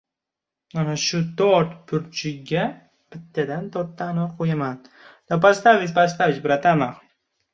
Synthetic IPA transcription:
anaʃʊt̪oɾt̪pʰʊɾt͡ʃʰɪɡʲa | b̥ɪt̪ʰːad̪ant̪ʰɔɾt̪ːanɒqʰojaman | d̪̥apast̪avɪspas̬t̪avɪt͡ʃbɪɾat̪ʰamaχ

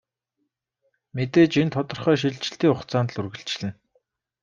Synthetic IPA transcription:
met̪eːt͡ɕint̪ʰɔt̪ɞ̆rχœːʃ̬iɮt͡ɕɪ̥̆ɬt̪iːŋʊχt͡saːnt̪ɮurɣɘ̆ɬt͡ɕɪ̆ɮɘ̆n

